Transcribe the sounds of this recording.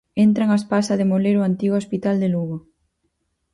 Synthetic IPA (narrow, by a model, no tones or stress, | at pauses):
ent̪ɾaŋaspasaðemoleɾoant̪iɣoospit̪ald̪eluɣo